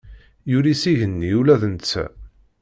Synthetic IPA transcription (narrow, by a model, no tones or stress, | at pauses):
juɾisiʝənːiulæðənt͡sːæ̰